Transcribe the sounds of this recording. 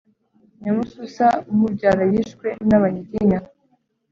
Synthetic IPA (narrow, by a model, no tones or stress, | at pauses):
ɲamususamuɟaɾajiʃkwenaβaɲiɟiɲa